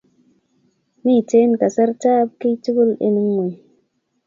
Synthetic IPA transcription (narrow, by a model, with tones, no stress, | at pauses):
mi˦˨te˦nka˨sa˦ɾta˦b̚ki˦tu˦ɡu˦lḛ˨ni˦ŋwo˨j